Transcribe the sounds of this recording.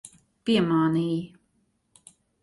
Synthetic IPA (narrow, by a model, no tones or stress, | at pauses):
piɛmaːniːji